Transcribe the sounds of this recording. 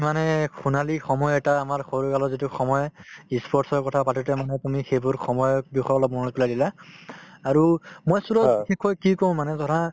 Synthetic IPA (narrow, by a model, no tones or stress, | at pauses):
manɛxunalixɔmɔjɛtaːmaɹxoɹukalɔzituxɔmɔjispʰɔɹtsɔɹkɔtʰapatʰutɛmanɛtumixejbʊɹxʰɔmɔjbixɔɔlɔbɔnɔpulajdila | aɹumojsuɹɔbikʰɛkʰːɔjkikoʊ̃manɛzɔɾa